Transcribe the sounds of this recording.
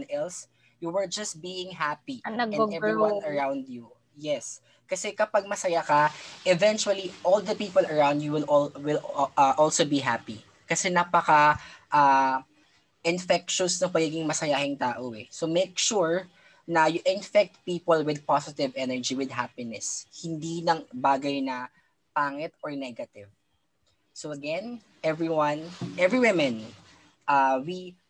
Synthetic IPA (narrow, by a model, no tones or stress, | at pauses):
nɛls | juwɪɹd͡ʒɐst̪̚biːɪ̃ŋɦapiɐɡɛ̃ɡɛiwãnɐɹawnd̪ju | jɛs | kɐsɛkɐpɐɡ̚mɐsɐjakɐʔɛvɛ̃nt͡ʃuɐliʔɔlˠd̪ɐpiːpɔlɐɹawnd̪juwɪlʔolwɪlɐʔɔlsobiɦa̰pi | kɐsɛnapɐkɐʔaː | ʔɪnfɛk̚ʃʊsnɐŋpɐɡiːɡɪŋmɐsɐjaːhɪŋt̪aːʔoʔɛsomek̚ʃuɹ | nɐjʊʔɪ̃nfɛk̚t̪̚piːpolwɪd̪̚pasɪt̪ɪvɛnɛɹd͡ʒiwɪd̪̚ɦapɪnɛ̰shɪnd̪inɐŋbaːɡɐjnɐ | paːŋɪt̪̚ʔɔɹnɛɡɐt̪ɪv | soɐɡɛn | ʔɛvɹiwɐnʔɛvɹiwɪmɐ̃n | ʔawi